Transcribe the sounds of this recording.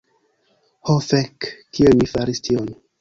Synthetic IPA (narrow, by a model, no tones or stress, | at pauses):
hofekːielmifaɾistion